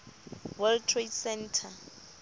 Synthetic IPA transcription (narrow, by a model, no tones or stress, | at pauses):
wɛltʰretsɛntʰa